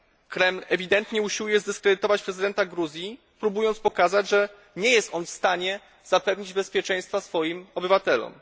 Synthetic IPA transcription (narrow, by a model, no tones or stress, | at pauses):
kɾɛmlɛvʲid̪ɛnt̪ɲɛuɕiwujɛzd̪ɘskɾɛd̪ɘt̪ɔvat͡ɕpɾɛzɘd̪ɛnt̪aɡɾuzʲji | pɾubujɔnt̪spɔkazad͡ʑʐɛ | ɲɛjɛst̪ɔnfst̪aɲɛ | z̥apɛvɲid͡ʑbɛspʲjɛt͡ʂɛ̃j̃st̪fasfɔjimɔbɘvat̪ɛlɔ̰m